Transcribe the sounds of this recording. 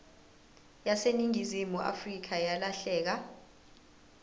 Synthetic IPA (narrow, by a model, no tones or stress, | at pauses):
jaseniŋizimuʔa̰frik̬ʰajalaɬɛːk̬a